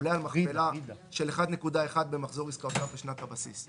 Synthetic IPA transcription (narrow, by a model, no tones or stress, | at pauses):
lealmaχelaʃe̞leχad̪ne̞kud̪ae̞χad̪̚be̞maχzo̞ʁiskaot̪avbeʃnat̪habasḭs